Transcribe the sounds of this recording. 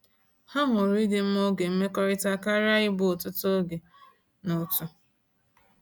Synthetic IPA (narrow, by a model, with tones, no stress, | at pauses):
ha˦ɦʊ˨ɾʊ˦i˦de˦m̩˦mo˦ɡe˨m̩˦me˦kɔ˦ɾɪ˦ta˦ka˦ɾa˦ɪ˦bʊ˦˨tʊ˦to˦ɡe˨ | nʊ˨tʊ˦